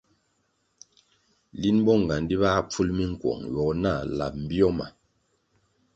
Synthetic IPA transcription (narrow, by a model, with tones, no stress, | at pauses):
li˦nbɔ˦ŋ˨ɡa˨ndi˦βa˦p͡fu˦lmi˦ŋ̩˨kwɔ̰˨ŋjɔ˨na˦˨la̰˨p̚m̩˨bjɔ˦ma˨